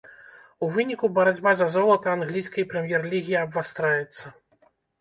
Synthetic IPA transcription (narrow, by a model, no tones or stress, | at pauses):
uvɨnʲikubɐɾad͡zʲbazɐzɔlˠɐt̪ɐːnɣlʲijsʲkɐjpɾɛmʲjɛrlʲiɣʲiɐbvast̪ɾajɛt̪sːɐ